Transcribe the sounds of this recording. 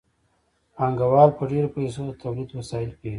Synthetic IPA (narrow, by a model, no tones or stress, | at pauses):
aŋɡawɑːɾpəɖeɾapajsod̪ət̪ʰawlid̪wasɑɪlkei